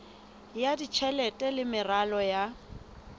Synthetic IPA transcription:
jadit͡ʃʰɛlɛtʼɛlɪmɪralɔja

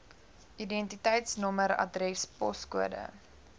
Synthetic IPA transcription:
idɛntitəjtsnɔməɾɐ̰drɛspɔskuədə̰

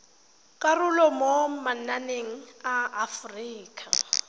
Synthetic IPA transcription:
kʼarʊlɔmomananeŋ̩aafriːkʼa̰

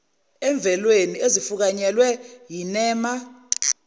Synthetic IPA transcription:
ɛɱb̪vʱɛlweniezifuk̬aɲɛlwɛjinɛːma

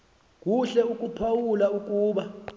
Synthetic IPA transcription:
k̬ʼuɬɛuk̬ʼupʰawulauk̬ʼuːɓa

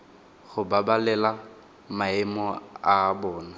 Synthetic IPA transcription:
ɣʊbabalɛla | maɪmɔaːbɔːna

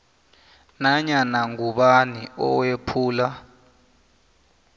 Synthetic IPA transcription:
naɲanaŋuɓaniɔ̰wepʰuːla

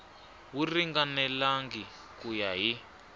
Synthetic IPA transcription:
wuriŋɡanɛlaŋɡi | kujaɦi

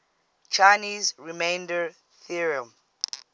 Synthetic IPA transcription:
t͡ʃajniːzɹimẽjndəɹ | θiɹiə̃m

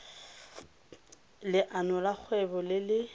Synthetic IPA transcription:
lɪʔanɔlak͡xʰwɛbɔlɪlɪ

